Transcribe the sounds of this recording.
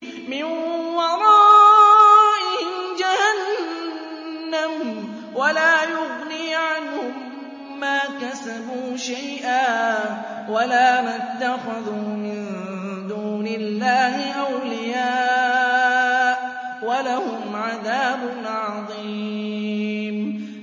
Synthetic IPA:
mɪnwɑɾˤɑː | ʔɪhɪd͡ʒahan | am | walaːjʊɣniːʕanhʊmː | aːkasabuːʃajʔaː | walaːmat̪ːaxaðuːmɪn | d̪uːnɪlːaːhɪʔawlɪjaː | ʔ | walahʊmʕaðaːbʊnʕɑðˤi | m

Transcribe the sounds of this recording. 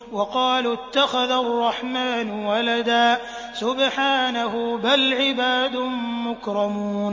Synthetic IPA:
wɑqɑːlt̪ːaxaðarˤːɑħmaːnʊwalad̪aː | sʊbħaːnaɦʊbalʕɪbaːd̪ʊmʊkɾˤɑmuːn

